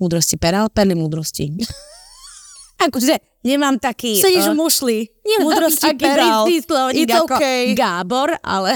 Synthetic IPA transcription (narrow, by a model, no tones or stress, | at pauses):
muːd̪ɾɔscipɛɾalpɛɾlimuːd̪ɾɔscḭ | akɔʒɛ | ɲɛmaːmt̪akiːɛɲɛʒmuʃliɲɛmmuːd̪ɾɔsciakːpɾilislɔʋɲɛɡɔɛɡaːbɔɾa̰lɛ